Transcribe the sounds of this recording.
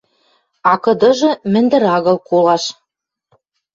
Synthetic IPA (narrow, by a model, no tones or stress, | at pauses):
ɑkɤ̆d̪ɤ̆ʒɤ̆mɘ̆nd̪ɘ̆ɾɑɣɤ̆lˠkolɑʃ